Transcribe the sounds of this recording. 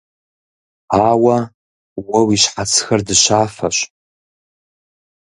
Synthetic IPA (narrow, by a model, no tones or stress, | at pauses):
aːwɐ | wɐwiɕħat͡sʰxɐrdɨɕaːfɐɕʷ